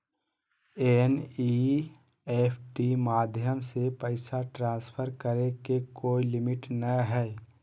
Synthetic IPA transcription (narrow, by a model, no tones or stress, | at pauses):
eni | epʰʈimaːd̪ʱjəmsepəɪsaʈɾãːspʰəɾkəɾekekoːilɪmɪʈnəɦɛː